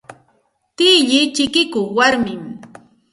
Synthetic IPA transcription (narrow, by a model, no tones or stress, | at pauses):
t̪ɪʎɪt͡ʃɪkɪkʊχwaɾmɪm